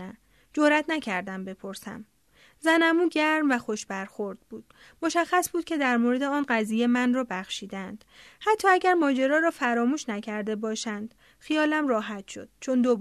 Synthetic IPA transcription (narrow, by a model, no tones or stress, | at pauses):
æ | d͡ʒoɾæt̪ʰnæcʰæɾd̪æmbe̞pʰo̞ɾsæ̰m | zænæmuːɟæɾmvæxo̞ʃbæɾxoɾd̪̥̚buːd̪̥ | moʃæxːæsb̥uːd̪̥̚kʲcʰe̞d̪æɾmoɾed̪eɒːnɢæziːjemænrɒːbæxʃiːd̪ænd̪̥hæt̪ʰːɒːæɟæɾmɒːd͡ʒe̞ɾɒːɾɒːfæɾɒːmuːʃnæcʰæɾd̪e̞bɒːʃænd̪̥ | xijɒːlæmrɒːɦæt̪ʃo̰d̪̥̚t͡ʃʰo̞nd̪ob